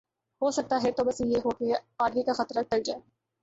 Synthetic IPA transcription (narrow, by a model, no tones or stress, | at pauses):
ɦosɐk̚t̪aɦɛt̪obɐsjeɦokeaːɖlikaxɐt̪ɾaʈɐld͡ʒaːe